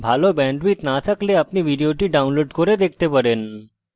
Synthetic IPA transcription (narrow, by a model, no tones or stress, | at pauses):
bʱalɔbɛ̃ɳɖʋiːt̪nat̪ʰəkleapniʋiɖijoʈiːɖaunloɖkoɾed̪ekʰt̪epəɽen